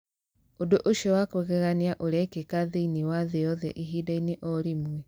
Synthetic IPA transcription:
odoʔoʃiɔwakwoɣɛɣaniaʔoɾɛkekaðeiniwaðeɔðɛ̰ʔiɦiːdaineʔɔɾimwɛ

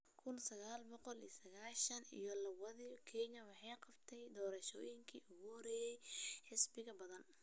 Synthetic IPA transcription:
kʰʊnsɐɣaːlbɔqɔlijsɐɣaːʃɐnḭjɔlɐβɐðikʰɛɲɐwɑħɑjqɑbt̪ʰɛjd̪ɔːɾɐʃɔ̰ːjɪŋkʰḭːʔʊɣʊhɔɾɛːjɛjħɪsbɪɣɐbɐðɐn

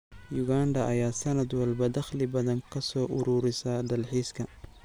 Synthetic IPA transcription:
jʊɣaːndɐʔɐjaːsɐnɐd̪wɐlbɐd̪ɐχlɪbɐðɐŋkʰɐsɔːʔʊɾuːɾɪsɐːd̪ɐlħiːskʰɐ

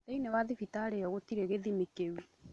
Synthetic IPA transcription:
teinewaðifitaɾeɔɣotiɾeɣeðimekewi

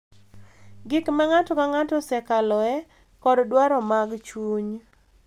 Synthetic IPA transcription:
ɡɪkmaŋatɔkaŋatɔsɛkalɔɛ | kɔddwaɾɔmaɡt͡ʃuɲ

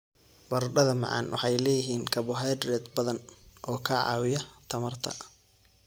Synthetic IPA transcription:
bɐrɖɐðɐmɑ̰ʕɑ̰nwɑ̰ħɑjlɛːjɪɦiːnkʰɐβʊɦɛːd̪rɛːd̪bɐðɐnʔɔːkʰaːʕɑ̰ːwɪjɐt̪ʰɐmɐrt̪ʰɐ̰

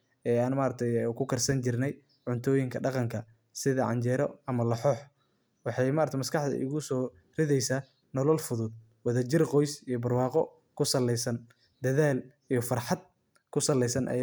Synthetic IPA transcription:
ɛːaːnmaːɾɐt̪ʰɛjkʰʊkʰɐrsɐnt͡ʃɪrnɛj | ʕʊnt̪ʰɔːjɪŋkʰɐɖɑqɑŋkʰɐ | sɪðɐʕɑ̰ɲt͡ʃɛːɾɔɐmɐlɐħɔːħ | wɑħɑjmaːɾɐt̪ʰɛjmɐskʰɑħd̪ɐ̰ʔɪ̰ɣʊsɔː | rɪðɛjsaː | nɔlɔlfʊðʊd̪̚ | wɐðɐt͡ʃɪrqɔjsijɔbɐrwɑːqɔ | kʰʊsɐlɛjsɐn | d̪ɐðaːl | ijɔfɑrħɑd̪̚ | kʰʊsɐlɛjsɐnʔɐ̰

